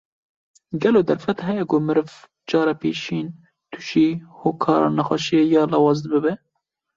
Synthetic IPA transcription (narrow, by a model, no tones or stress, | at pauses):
ɡɛloːd̪ɛɾfɛt̪hɛjɛkʊmɨɾɨv | d͡ʒɑːɾɛpʰḛːʃiːn | t̪ʰu̥ʃiːhoːkʰɑːɾɑ̰ːnɛxʷɑʃijejɑːlɑːwɑːzbɨbɛ